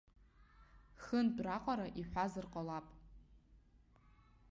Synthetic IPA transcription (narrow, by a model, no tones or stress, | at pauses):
xɨndraqʼaɾaʔiħʷazɨrqʼalapʼ